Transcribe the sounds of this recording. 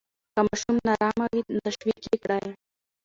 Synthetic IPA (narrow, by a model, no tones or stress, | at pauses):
kɐmaʃumnɐɾaːmɐɡit̪ɐʃwiːkekɽaːje